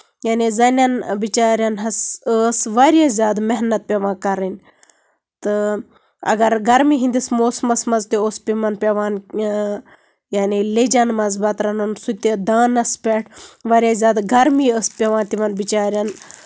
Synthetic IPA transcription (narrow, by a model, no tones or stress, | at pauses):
jaːnid͡zɐnʲanbit͡ʃaːɾʲjanɦɐsəːsʋaɾʲjazʲaːd̪mɛɦnɐt̪̚pʲeʋãːkɐɾinʲ | t̪ɨ | ɐ̰ɡɐɾɡɐɾmiɦĩnd̪ismoːsmɐsmɐzt̪ioːspʲimɐnpʲeʋaːn | janiled͡ʒanmɐzbat̪ɾanunsut̪ed̪aːnɐspʲɛʈʰʋaɾʲjazʲaːd̪ɡɐɾmiəspʲeʋaːnt̪imɐnbit͡ʃaːɾʲjan